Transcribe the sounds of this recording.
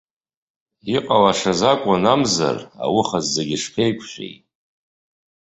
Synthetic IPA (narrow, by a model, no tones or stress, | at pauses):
iqʼalaʂazakʷʼanamza̰ra̰wʊχazːeɡʲɪʂpʰejkʷʰʃʷᶣḛjt